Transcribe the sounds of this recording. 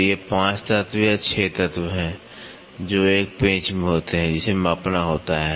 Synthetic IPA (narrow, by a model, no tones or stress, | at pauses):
jepãːt͡ʃt̪ət̪wjat͡ʃʰet̪ət̪wɦɛ̃ | d͡ʒoːeːk̚pẽːt͡ʃmẽɦoːt̪eɦɛ̃d͡ʒɪsemaːpnaɦoːt̪aɦɛː